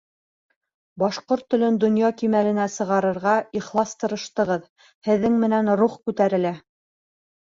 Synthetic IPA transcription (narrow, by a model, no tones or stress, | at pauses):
bɑʃqoɾt̪ːɵ̆lɵnd̪ŏnjɑkimælɘ̆næsɤ̆ʁɑɾɤ̆ɾʁɑiχlˠɑst̪ɤ̆ɾɤ̆ʃt̪ɤ̆ʁɤð | hɘ̆ðːɘŋmɘ̆nænɾuχkʉt̪æɾɘ̆læ